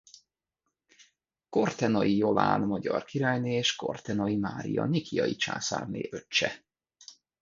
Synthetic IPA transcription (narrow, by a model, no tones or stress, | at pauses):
ko̞rt̪ɛnɒjijo̞vaːnmɒɟɒrkiɾaːjneːeːʃko̞̰rt̪ɛnɒimaːɾḭjɒnikijɒjit͡ʃa̰ːsa̰ːrnḛːʔø̞t͡ʃːɛ